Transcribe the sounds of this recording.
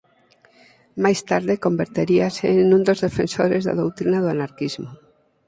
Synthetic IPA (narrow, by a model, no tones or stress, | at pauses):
majst̪aɾðeko̞mbeɾt̪eɾiaseːnũnd̪ozðefensoɾezða̰ðowt̪ɾinaðoanaɾkizmo